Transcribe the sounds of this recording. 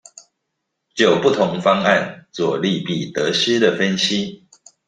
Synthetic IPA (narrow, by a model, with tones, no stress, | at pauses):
t͡ɕjo˨˩ʊpu˥˨t̪ʰʊ˧˦ŋfɑ˦ŋa˥˨nt͡swɔ˨˩li˥˨pi˨˩t̪ə˨˦sɻ̩˦d̪ə˨fə˦nɕi˦